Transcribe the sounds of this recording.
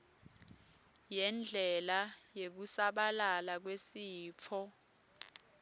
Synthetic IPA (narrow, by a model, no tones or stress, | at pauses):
jɛnd͡ɮʱɛlajek̬usaɓalalak̬wesiːp̪fʰɔ